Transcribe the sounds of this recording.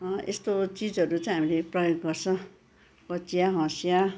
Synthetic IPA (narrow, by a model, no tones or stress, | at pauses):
ḛst̪ot͡sid͡zʌɾut͡sãj̃ɦamileprʌjoɡɡʌrt͡sʰʌ̃ | kʌt͡sijaɦʌ̃sja